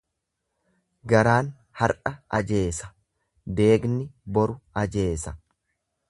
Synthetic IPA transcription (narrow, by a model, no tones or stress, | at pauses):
ɡɐɾaːn | hɐɾᶑɐɐd͡ʒe̞ːsɐ̥ | d̪e̞ːɡnɪbɔɾʊɐd͡ʒe̞ːsɐ